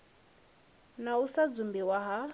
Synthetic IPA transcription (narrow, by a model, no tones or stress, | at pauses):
nausad͡zumbiwaɦa